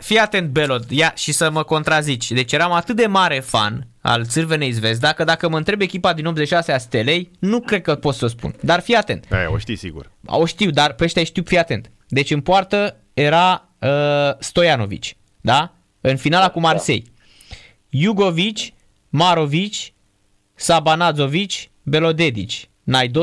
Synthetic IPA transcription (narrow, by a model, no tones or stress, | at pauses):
fiat̪e̞nt̪̚be̞lo̞t̪jaʃisəməko̞nt̪ɾazit͡ʃʲd̪e̞t͡ʃʲjeɾamat̪ɨt̪̚d̪e̞maɾe̞fa̰n | a̰lt̪sɨrveneizve̞s̬d̪akəd̪akəməɨnt̪ɾebe̞kʲipad̪ino̞bzeiʃaseast̪e̞le̞jnukɾed̪̚kəpot̪səspṵnd̪arfijat̪e̞nt̪a̰j̰o̰ʃt̪isḭɡṵroʃt̪iwd̪arpeʃt̪jajʃt̪iwfijat̪e̞nt̪ | d̪e̞t͡ʃʲɨnpoart̪ə | je̞ɾa | əst̪o̞jano̞vḭt͡ʃʲ | d̪a | ɨnfinalakumarse̞̰j | juɡo̞vit͡ʃʲ | maɾo̞vit͡ʃʲ | sabanad̪zo̞vit͡ʃʲ | be̞lo̞d̪e̞d̪it͡ʃʲ | najd̪o